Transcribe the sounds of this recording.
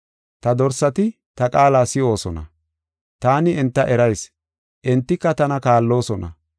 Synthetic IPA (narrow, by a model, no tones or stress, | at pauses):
t̪ɐd̪ɔɾsɐt̪ɪ | t̪ɐkʼaːlaːsɪo̞ːsɔnɐ̰ | t̪aːnɪɛnt̪ːɐʔɛɾɐjs | ʔɛnt̪ːɪkːɐt̪ɐnɐkaːlːo̞ːsɔnɐ̰